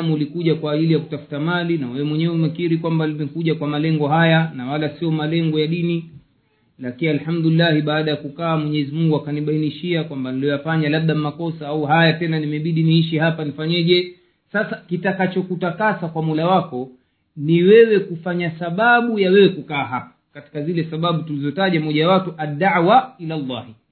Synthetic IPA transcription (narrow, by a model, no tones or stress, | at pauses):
muulikuʄakwaːʄilijaku̥tafu̥tamalinawɛwɛmwɛɲɛwɛumɛkiɾikwambalimɛkuʄakwamalɛŋɡɔɦajanawalasiɔmalɛŋɡɔjaɗini | lakinialhamduilːahiɓaːɗajakukaːmwɛɲɛzimuŋɡuakaniɓainiʃiakwambaniliɔjafaɲalaɓ̚ɗammakɔsaauɦajatɛnanimɛɓiɗiniiʃihapanifaɲɛʄɛ | sasakitakat͡ʃɔkutakasakwamulawakɔ | niwɛwɛkufaɲasaɓaɓujawɛwɛkukaːɦapḁkati̥kazilɛsaɓaɓutulizɔtaʄamɔʄawatuʔadːaʕwailalːahi